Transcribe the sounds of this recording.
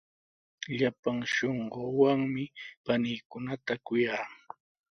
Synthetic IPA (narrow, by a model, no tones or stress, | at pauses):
ʎapaŋʃoɴɢowaŋmɪpanijkʊnat̪akʊjaː